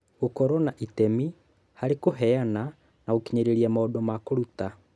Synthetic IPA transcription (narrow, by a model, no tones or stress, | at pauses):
okɔɾɔnaʔitɛmi | haɾekoɦɛana | naokiɲeɾeɾiamaɔdɔmakoɾuta